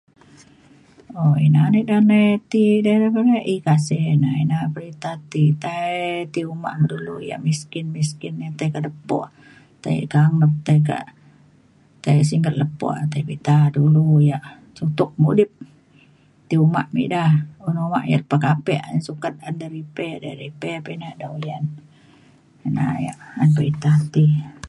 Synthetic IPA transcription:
oinanəʔdanəjt̪idadapəɾaʔikasɛnainapəɾit̪at̪it̪at̪iuma̰ʔmədulṵja̰ʔmiskɪnmiskɪnːat̪ajkaʔləpːɔ̰ʔ | t̪a̰j̰kaŋləp̚t̪ajka̰ʔ | t̪ajsiŋɡət̪̚ləpɔ̰ʔt̪ajbit̪adulujaʔ | sut̪ʊk̚mudɪp̚ | t̪iuma̰ʔmḭʔdahunuma̰ʔja̰lpakapɛʔansukat̪̚andaɾipɛda̰ɾipɛpenaʔdawjan | na̰ja̰ʔanpəɾit̪at̪i

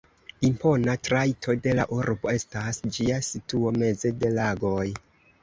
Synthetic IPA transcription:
impo̞natɾajtʰo̞de̞la̰ʔuɾbo̞e̞stasd͡ʒiasituo̞me̞ze̞de̞laɡo̞j

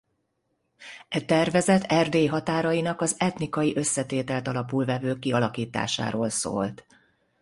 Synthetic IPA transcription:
ɛt̪ɛrvɛzɛt̪ʰɛrd̪eːɦɒt̪aːɾɒjinɒkɒzɛt̪nikɒjiʔø̞sːɛt̪eːt̪ɛlt̪ɒlɒpulvɛvøːkːiɒlɒkiːt̪a̰ːʃa̰ːɾoːlso̰ːlt̪

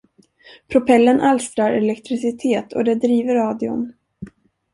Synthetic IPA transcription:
pʰɾʊpʰɛlːənʔalst̪ɾaɾɛlɛkt̪ɾɪsɪt̪ʰeːt̪ʰɔ̰d̪ɛd̪ɾiːvəɾːɑːd̪ɪʊ̰n

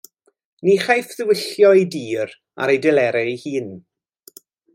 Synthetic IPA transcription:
niχajfðɪwɪɬjɔidiːɾ | a̰ɾejdɪlɛɾɛjhiːn

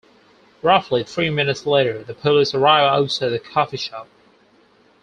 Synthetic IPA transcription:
ɹʌfliθɹimɪ̃nɨtsleɪɾə˞ðɨpʰəlˠəzə˞aɪvlˠoʊsəðɨkʰɑfiʃɑp̚

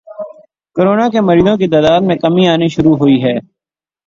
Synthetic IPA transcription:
koɾoːnaːkeməɾiːzõk̬it̪aːd̪aːd̪mẽkəmĩaːniʃʊɾuɦoːiɦɛː

